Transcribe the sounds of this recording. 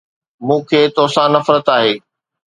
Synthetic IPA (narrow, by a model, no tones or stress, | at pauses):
mũːkʰeːt̪oːsãnɐfɾət̪aːɦeː